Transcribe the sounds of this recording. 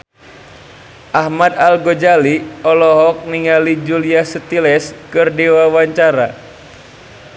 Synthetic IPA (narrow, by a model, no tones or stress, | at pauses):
ʔahmad̪alɡod͡ʒaliɔlɔɦɔk̚niŋalid͡ʒuliahsət̪ilɛskɨrdiwawaɲt͡ʃaɾa